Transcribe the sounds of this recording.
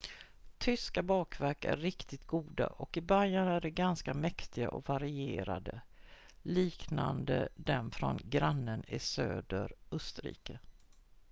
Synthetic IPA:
t̪ʰʏskabɑːkvæɾkæ̰ɾɪkt̪ɪt̪ɡuːd̪a̰ʔɔkɪbaɾjanæɖɛɡanskamɛkt̪ɪɡa̰ʔɔkvaɾɪeːɾa̰d̪ə | liːkna̰nd̪əd̪ɛnfɾɔnɡɾanːənɪsø̰ːd̪əɾɵst̪əɾḭːkə

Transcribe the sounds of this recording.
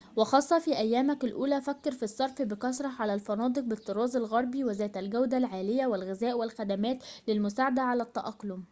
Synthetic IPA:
wɑxɑːsˤːɑfiːʔæjːæːmæklʔuːlæːfækːɑɾfisˤːɑɾˤfbɪkɑsɾˤɑʕalælfɑnɑːd̪ˤɨq̚bɪt̪ːɑɾˤɑːzˤɑlɣɑɾˤbiwɪzæːt̪ælɡæwd̪ælʕaːlɪjæwɪlɣɪzæːʔwɪlxæd̪æmæːt̪lɪlmʊsaːʕad̪æʕalæt̪ːɑʔɑqːlʊm

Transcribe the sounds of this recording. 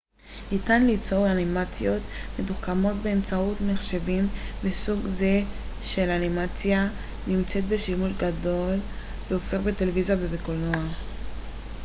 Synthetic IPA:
nitanlit͡so̞ʁanimat͡sjo̞tme̞duχkamo̞t̚be̞ːmt͡sautmeχʃe̞vimvesuɡze̞ | ʃe̞lanimat͡sja | nimt͡se̞t̪̚be̞ʃimuʃɡado̞l | veofeʁbe̞televizjabebekolnoa

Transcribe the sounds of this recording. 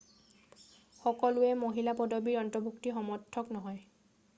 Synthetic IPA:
xɔkɔlʊɛmoɦilapɔdɔbiɹɔntɔbʱuktixɔmɔɹtʰːɔknɔɦɔj

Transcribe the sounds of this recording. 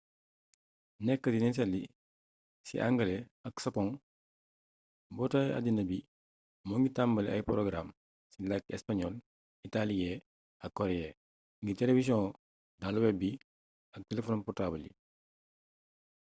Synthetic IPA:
nɛkːədinɛns̬ɛli | sḭʔa̰ŋɡəlɛɐksɐkɔŋ | bɔtaja̰dinɐbi | mɔŋɡitambəlɐ̰jpɔɾɔɡɾam | silakɛ̰spaɲɔl | italiɛ | ɐkːɔɾɛɛ | ŋɡitɛlevis̬jɔ̃ | daluwɛbi | ɐk̚tɛlefɔnpɔtaːbəlḭ

